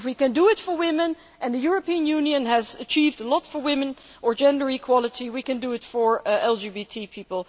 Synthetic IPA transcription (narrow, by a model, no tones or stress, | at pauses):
wikɨ̃ndəɪtfə˞wɪ̃mɨ̃n | ʔɨ̃ndðəjʊɹəpĩə̃njʉ̃njɨ̃nɦæzət͡ʃʰivdəlɔtfə˞wɪ̃mɨ̃n | ʔə˞d͡ʒɛ̃ndə˞ikʰw̥ɑlˠətʰiwikɨ̃ndɨɪtfə˞ɛlˠd͡ʒibitʰipʰipəl̩ˠ